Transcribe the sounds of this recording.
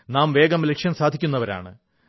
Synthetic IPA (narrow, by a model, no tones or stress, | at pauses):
naːmʋe̞ːɡɐmlekʂjɐnsaːd̪ʱikʲːunːɐʋɐɾa̰ːɳɨ̰